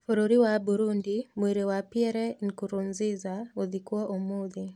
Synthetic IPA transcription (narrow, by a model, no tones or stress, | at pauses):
fuɾuɾiwabuɾundimweɾewapiɛɾɛŋkuɾunzizaoðikwɔʔomuði